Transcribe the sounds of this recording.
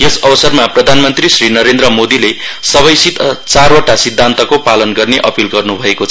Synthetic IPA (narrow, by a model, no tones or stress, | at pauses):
jʌsʌbʌsʌrmaprʌd̪ʱanmʌnt̪risrinʌɾend̪ɾʌmod̪ile | sʌβʌjsit̪t͡saroʈasid̪ʱːant̪ʌkopalʌnɡʌrneʔʌpilɡʌrnubʱʌekot͡sʰ